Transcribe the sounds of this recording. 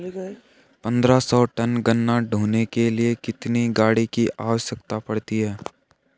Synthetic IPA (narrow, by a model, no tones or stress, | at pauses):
pɐ̃nd̪ɾasɔːʈɐnɡənːaɖʱuːnekeliekɪt̪niɡaːɽikiʔaːʋəʃjəkt̪apɐɽt̪iɦɛː